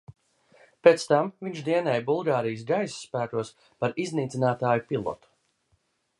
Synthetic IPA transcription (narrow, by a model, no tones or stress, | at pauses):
pet̪st̪amviɲt͡ʃd̪iɛnɛːjbulˠɡaːɾijs̬ɡajssːpæːkuɔs | paɾizniːt̪zʲinaːt̪aːjupilˠɔ̰t̪u̥